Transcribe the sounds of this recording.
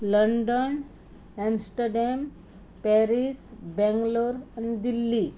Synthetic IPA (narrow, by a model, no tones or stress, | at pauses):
ləɳɖən | ɛmsʈəɾɖem | pɛɾisbɛ̃ŋɡloɾɛnd̪ilːi